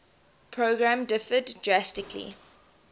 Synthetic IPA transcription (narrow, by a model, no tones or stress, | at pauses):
pʰɹoɡɹãmdɪfəddɹastɪkʰlḭ